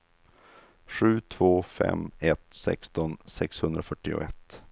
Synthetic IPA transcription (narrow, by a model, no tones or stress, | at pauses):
ɧʉ̟ːt̪ʰv̥oːfɛ̰mɛt̪sɛ̰kst̪ɔnsɛkshɵnd̪ɾafœʈːɪʊ̰ɛt̪ː